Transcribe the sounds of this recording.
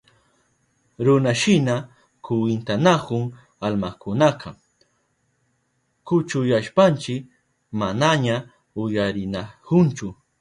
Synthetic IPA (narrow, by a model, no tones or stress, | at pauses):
ɾʊnaʃɪna | kʰʊwɪnt̪anakʊŋ | almakʊnaqʰɑ | kʊt͡ʃʊjaʃpant͡ʃɪk | manaɲa | ʊjaɾɪnakʊnt͡ʃʊ